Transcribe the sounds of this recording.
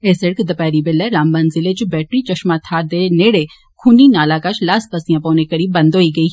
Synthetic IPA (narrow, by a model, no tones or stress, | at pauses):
eːsɪɽkd̪ɐpɛːɾibɪlːɛɾaːmbɐnzɪlet͡ʃbɛːʈɾit͡ʃɐʃmat̪ʰaːɾd̪eneːɽe | kʰuːninaːlakat͡ʃʰlaːspɐsijãːpoːnekɐɽibɐ̃nd̪ʱoːiɡɐiː